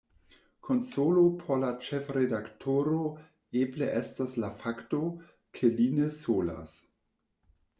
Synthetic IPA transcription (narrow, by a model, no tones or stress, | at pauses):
kʰonsolopʰolat͡ʃefɾedaktʰoɾo | ebleʔestaslafakto | kʰelinesola̰s